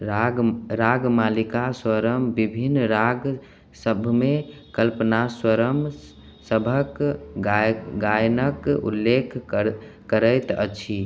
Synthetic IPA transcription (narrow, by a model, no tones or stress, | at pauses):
aɾaɡmalikaswəɾəmbibʱinɾaɡ | səbʱmekəlpnaswəɾəm | səbʱək | ɡajnəkṵlːekʰkəɾəjt̪ə̰t͡ʃʰi